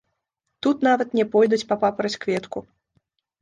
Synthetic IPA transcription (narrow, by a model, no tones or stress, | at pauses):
t̪ut̪navɐt̪nʲɛpɔjd̪ut͡sʲpɐpapɐɾɐsʲkvʲɛt̪ku